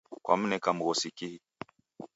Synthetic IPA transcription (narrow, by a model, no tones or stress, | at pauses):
kwa̰m̩nɛkam̩ɣɔsikihi